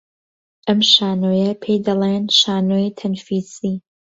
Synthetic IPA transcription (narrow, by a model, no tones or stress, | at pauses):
ʔɐmʃaːnoːjɐpʰejd̪ɐlenʃaːnoːjt̪ʰɐnfiːzi